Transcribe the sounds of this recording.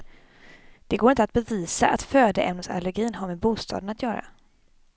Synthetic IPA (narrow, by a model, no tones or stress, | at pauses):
d̪̥ɛɡoːɾɪnt̪at̪̚bɛviːsaʔa̰t̪føːd̪əʔɛ̰mnəsa̰lːɛɾɡiːnɦaɾmeːbuːst̪ʰɑ̰ːd̪ənat̪ʰjœːɾa̰